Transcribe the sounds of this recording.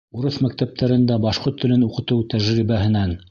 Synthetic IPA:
uɾɤθmæk̚t̪æp̚t̪ʰæɾɘ̆nd̪æbɑʃqoɾt̪ʰːɘ̆lɘnuqɤ̆t̪ɤwt̪æʒɾiβæɦɘ̆næn

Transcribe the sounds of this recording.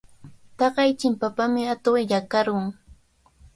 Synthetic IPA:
t̪ɑɢɑjt͡ʃɪmpapamɪat̪ojakaɾʊŋ

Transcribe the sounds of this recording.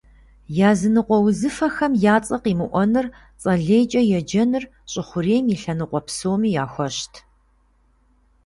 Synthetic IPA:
jaːzɨnɨqʷʼɔwzɨfɐxɐmjaːt͡sʼɐqiːmɨʔʷɔnɨr | t͡sʼɐɮeːjt͡ʃʼɐjɛd͡ʒɐnɨr | ɕʼɪχʷʊreːmiːɬɐnɨqʷʼɔpsoːmiːjaːxʷɔɕtʰ

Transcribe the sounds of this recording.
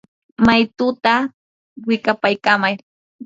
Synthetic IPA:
majt̪ʊt̪a | wɪkapajkamaj

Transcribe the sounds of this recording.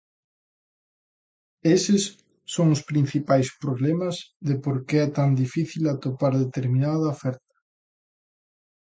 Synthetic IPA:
esɪsː | oŋʊspɾĩn̟θipajspɾoβlɛmɐzðɪpoɾkeɛt̪and̪ifiθilat̪opaɾðet̪eɾmĩnaðɐofɛɾt̪ɐ̥

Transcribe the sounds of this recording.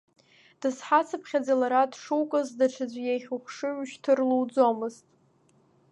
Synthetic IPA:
d̥ɨsħat͡sʰɨpʰχʲad͡zalaɾadʂuwkʼɨzdaʈ͡ʂʰad͡zʷjejχʲuχʷʂɨɥʃtʰɨrluwd͡zo̞mɨztʼ

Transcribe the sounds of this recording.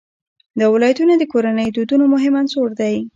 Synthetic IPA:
d̪awɪlɑjat̪unod̪əkoɾanəjd̪ud̪unomʊɦɪmansoɽd̪aj

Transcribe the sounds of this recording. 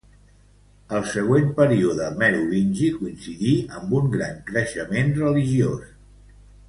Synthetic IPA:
əlˠsəɣ̞wempəɾiuðəmɛɾulinʲʒikuinsiðiəmbuŋɡɾa̰ŋkɾəʃəmenrəliʒios

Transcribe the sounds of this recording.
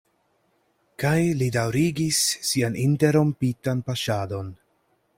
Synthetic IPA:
kajlidawɾiɡisːianinte̞ɾo̞mpitanpaʃado̞n

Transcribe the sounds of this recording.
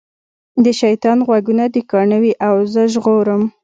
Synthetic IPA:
d̪əʃajt̪ɑnɣwaɡunad̪əkɑɳəwiʔawzəʒɣoɾəm

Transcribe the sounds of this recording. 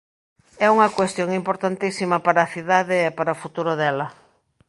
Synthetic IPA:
ɛuŋɐkwest̪joŋimpoɾt̪ant̪isimɐpaɾɐːθiðaðeːpaɾɐofut̪uɾoðɛlɐ

